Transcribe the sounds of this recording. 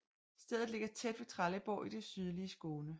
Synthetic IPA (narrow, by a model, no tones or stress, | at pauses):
sd̥eðˠð̩ˠle̝ɡ̥ɐt͡sʰed̥ʋe̝t͡sʰʁaləb̥ɒ̰ʊːʔid̥e̝syð̞ˠliəsɡ̥o̝ːnə